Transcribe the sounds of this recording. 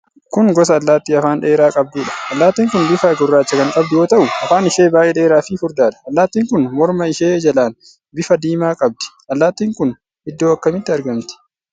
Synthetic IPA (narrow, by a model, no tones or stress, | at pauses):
kʊŋɡɔsɐːlːaːt̪ːiːɐfaːnᶑe̞ːɾaːkʼɐb̚d̪ɪːᶑɐ̥ɐlːaːt̪ːiːŋkʊnbɪfɐɡʊrːaːt͡ʃːɐkɐŋkʼɐbd̪ʊjoːt̪ɐʔʊɐfaːnɪʃeːbaːjʔeːᶑe̞ːɾaːfifʊɾd̪aːᶑɐ̥ɐlːaːt̪ːiːŋkʊnmɔɾmɐɪʃeːd͡ʒɐlaːn | bɪfɐd̪iːmaːkʼɐb̚d̪ɪ̥ʔɐlːaːt̪ːiːŋkʊn | ɪd̪ːo̞ːɐkːɐmɪt̪ːɪɐɾɡɐmt̪ɪ̥